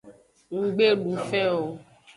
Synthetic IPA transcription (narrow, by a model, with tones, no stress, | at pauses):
ŋ̩˨ɡ͡be˦ɖũ˨fɛ̃˦o˨